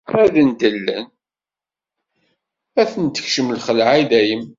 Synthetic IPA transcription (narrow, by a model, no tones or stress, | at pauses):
æðənd̪əlːən | æθənt̪ə̥çʃəmlχəlʕaðæjəm